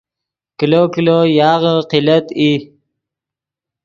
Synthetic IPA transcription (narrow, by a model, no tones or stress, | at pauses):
kilokilojɑːʁəqilət̪i